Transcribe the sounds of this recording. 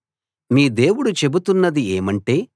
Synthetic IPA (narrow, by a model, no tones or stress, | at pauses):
miːd̪e̞ːwuɽut͡ʃe̞but̪unːɐd̪ieːmɐɳʈe̞ː